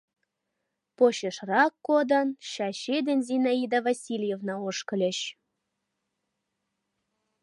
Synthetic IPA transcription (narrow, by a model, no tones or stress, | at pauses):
poɕeʃrɑkːod̪ə̆nɕɑɕed̪enzʲinɑid̪ɑvɑsʲilʲjevnɑoʃkə̆lʲĕɕ